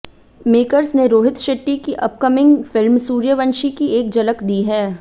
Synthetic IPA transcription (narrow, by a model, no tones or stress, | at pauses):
meːkəɾsneɾoːɦɪt̪ʃɐʈːikiʔɐp̚kəmɪ̃ŋɡfɪlmsuːɾjəʋə̃nʃikieːk̚d͡ʒɐləkd̪iːɦɛː